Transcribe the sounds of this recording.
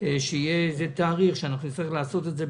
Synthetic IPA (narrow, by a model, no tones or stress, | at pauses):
ʃeijezet̪aːʁiχʃeanaχnut͡staʁiχlaːso̞t̪etze̞